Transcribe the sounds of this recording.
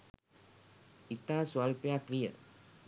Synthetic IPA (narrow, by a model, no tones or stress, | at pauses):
it̪asualpeakɾijə̰